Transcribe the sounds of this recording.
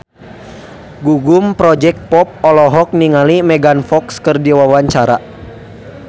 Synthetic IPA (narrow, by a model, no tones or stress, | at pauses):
ɡuɡumpɾɔd͡ʒɛk̚t̪̚pɔp̚ɔlɔɦɔk̚niŋalimɛɡanfɔkskərdiwawaɲt͡ʃaɾa̰